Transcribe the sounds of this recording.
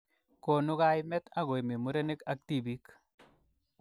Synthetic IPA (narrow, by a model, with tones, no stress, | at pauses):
ko˨nʊ˦ka˦jmɛ˦t̪a˦ɣo˨e˨me˨mu˦ɾe˦ne˦ka˨k̚t̪i˦bi˦k